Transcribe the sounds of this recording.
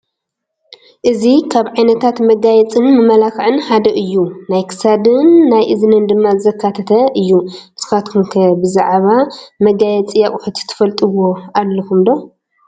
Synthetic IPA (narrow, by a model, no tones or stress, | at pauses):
ʔɨzikʰaβʕajnɐt̪ʰat̪mɐɡajɛt͡sʼɨnmɨmɐlakʕɨnħad̪ɐʔɨjːunajkʰɨ̥sad̪ɨnːajʔɨznɨnd̪ɨmːazɐkʰːat̪ʰɐt̪ʰɐʔɨjːuʔɨz̥ɨxat̪kʰumkʰɐbɨzaʕβamɐɡajɛt͡sʼijakʼʊħɨt̪ʰi̥t̪ʰɨ̥fɐlt̪ʼɨwo̞ʔalːɐkʰumd̪o̞